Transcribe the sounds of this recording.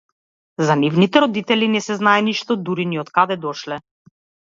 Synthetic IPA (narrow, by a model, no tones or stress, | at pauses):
zanivnit̪ɛɾɔd̪it̪ɛlinɛsɛznaɛniʃt̪ɔd̪uɾiniɔt̪kad̪ɛd̪ɔʃlɛ